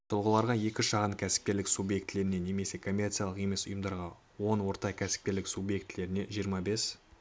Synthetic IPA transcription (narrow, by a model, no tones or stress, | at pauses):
t̪ʰʊlˠʁəlˠɑɾʁɑje̞kʲɪʃɑʁənkʲʰæsɪ̥p̚kʲe̞ɾlɪksubje̞kt̪ɪle̞ɾɪne̞ne̞me̞se̞kʰo̞mʲe̞rt̪sɨialˠəqje̞me̞sʊjəmd̪ɑɾʁɑ | wo̞nwo̞ɾt̪ɑkʲʰæsɪ̥p̚kʲe̞ɾlɪksubje̞kt̪ːɪle̞ɾɪne̞ʒijəɾmɑbe̞s